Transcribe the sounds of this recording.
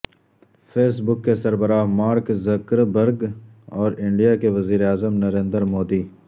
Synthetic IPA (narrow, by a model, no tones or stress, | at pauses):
fʰeːsbʊkːesɐɾbəɾamaːɾkzɐkɾbɐɾɡ | ɔːɾɪ̃ɳɖijakeʋɐziːɾeaːzəmnɐɾẽːnd̪əɾmoːd̪iː